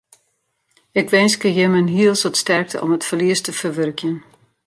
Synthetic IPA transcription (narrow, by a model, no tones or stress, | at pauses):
ɪkʋɛnskəjɪmənɦiəlˠsɔtstɛrk̚təɔ̰mətfərliəstəfərʋørkjən